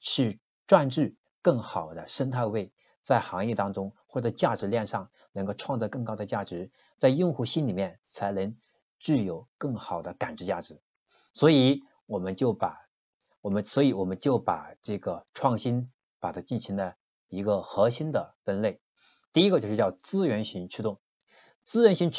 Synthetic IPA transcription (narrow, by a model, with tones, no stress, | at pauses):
ʂɻ̩˥˧ | ʈ͡ʂwa˥˧nʈ͡ʂɻ̩˥˧ | kɤ˥˩ŋxɑ˨˩ʊd̪ə˦ʂə˥nt̪ʰa˥˧ɪwe˥˩ɪ | t͡sa˥˩ɪxɑ˧˥ŋjɛ˥˩t̪ɑ˥ŋʈ͡ʂʊ˥ŋxwɔ˥˩ʈ͡ʂɤ˧˥t͡ɕja˥˩ʈ͡ʂɻ̩˧˥ljɛ˥˧nʂɑ˥˩ŋ | nɤ˧˥ŋko˥˧ʊʈ͡ʂʰwɑ˥˧ŋt͡sɔ˥˧kɤ˥˩ŋkɑ˥ʊd̪ə˨˧t͡ɕja˥˩ʈ͡ʂɻ̩˧˥ | t͡sa˥˧ɪjʊ˥˧ŋxu˥˩ɕi˥nli˨˩mjɛ˥˩nt͡sʰa˧˥ɪnə˧˥ŋ | ʈ͡ʂɻ̩˥˩jo˨˩˦ʊkɤ˥˩ŋxɑ˨˩ʊd̪ə˦ka˨˩nʈ͡ʂɻ̩˧˥t͡ɕja̰˥˩ʈ͡ʂɻ̩˧˥˦ | swɔ˧˥i˧˩˥ | wɔ˨˩mə˦nt͡ɕjo˥˩ʊpa˨˩ | wɔ˨˩mə˦nswɔ˧˥i˧˥wɔ˨˩mə˦nt͡ɕjo˥˩ʊpa˨˩ʈ͡ʂɤ˥˩ɡə˩ʈ͡ʂʰwɑ˥˩ŋɕi˥n | pa˨˩t̪ʰa˥t͡ɕi˥˩nɕi˧˥ŋd̪ə˧ | i˧˥ɡə˧xɤ˧˥ɕi˥nd̪ə˨fə˥nle˥˩ɪ | t̪i˥˩i˥ɡə˧jo˥˧ʊʂɻ̩˥˧jɑ˥˩ʊt͡sɹ̩˥ɥɛ˧˥nɕy˧˥nt͡ɕʰy˥t̪ʊ˥˩ŋ | t͡sɹ̩˥ɥɛ˧˥nɕi˧˥n